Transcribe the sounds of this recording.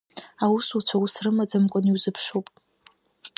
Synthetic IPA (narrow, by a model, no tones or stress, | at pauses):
awusut͡ʃʷʰawusrɨmad͡zamkʷʼʊniwzɨpʰʂupʼ